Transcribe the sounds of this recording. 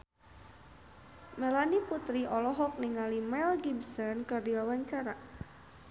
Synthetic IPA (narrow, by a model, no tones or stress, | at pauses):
mɛlaniput̪ɾiʔɔlɔɦɔk̚niŋalimɛlɡibsɔnkɨrdilawaɲt͡ʃaɾa